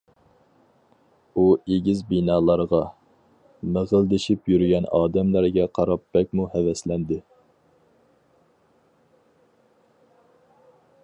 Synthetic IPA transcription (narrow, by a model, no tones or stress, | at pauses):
ueɡʲizbinɑːlˠɑɾʁɑ | məʁəld̪ɪʃipjyɾɡʲɛnɑːd̪ɛmlæɾɡʲɛqʰɑɾɑpːɛk̚ʲmuhɛvɛslɛnd̪ɪ